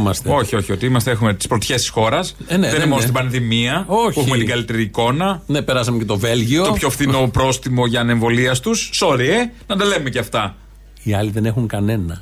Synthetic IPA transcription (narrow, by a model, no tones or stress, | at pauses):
mɐst̪o̞çio̞çio̞t̪iimɐst̪e̞exumet̪ispɾot̪çe̞st̪isxo̞ɾɐsneðenimoosst̪ibɐnðimiɐouexume̞t̪ɡɐlit̪eɾiːko̞nɐnepeɾɐsɐmecet̪o̞velʝiotopço̞fθino̞pɾo̞st̪imo̞ʝɐne̞ɱvo̞liɐst̪usːoɾienɐnd̪ɐle̞numeceɐft̪ɐ | iɐliðe̞nexuŋkɐne̞nɐ